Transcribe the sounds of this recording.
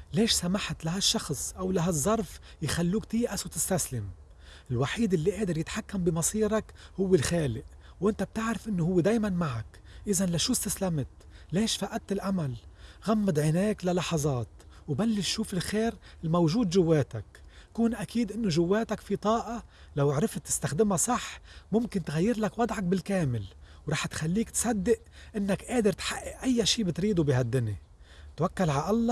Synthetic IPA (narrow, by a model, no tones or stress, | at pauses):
leːʃsamaħt̪laɦaʃːɑxsˤʔawlaɦazˤːɑɾˤf | jxalːuːkt̪iːʔasat̪ɪst̪aslɪm | ɪlwaħiːd̪ʔɪlːiʔeːd̪ɪɾjɪt̪ħakːambɪmɑsˤiːɾakhʊwːɪlxaːlɪʔ | wʔɪnt̪ab̚t̪ɪʕɾɪfʔɪnːohʊwːed̪eːjmanmaʕak | ʔɪzanlaʃuːst̪aslamt̪ | leːʃfaʔad̪̚t̪ːɪlʔamalɣamːad̪ʕɪneːklalɑħɑzˤɑːt̪ | wbalːɪʃʃuːfɪlxeːɾɪlmawʒuːd̪ʒʊwːeːt̪ak | kuːnʔakiːd̪ʔɪnːoʒʊwːeːt̪akfit̪ˤɑːʔɑ | lawʕɾɪft̪ːɪ̥st̪axd̪ɪmasˤɑħmʊmkɪnt̪ɣajːɪɾlakwɑd̪ˤʕɑk̚bɪlkeːmɪl | wɾˤɑːħt̪xalːiːkt̪sad̪ːɪʔ | ʔɪnːakʔeːd̪ɪɾt̪ħaʔːɪʔʔajːaʃiːbɪt̪ɾiːd̪ubɪɦad̪ːɪni | t̪wakːalʕaʔɑlˤːɑ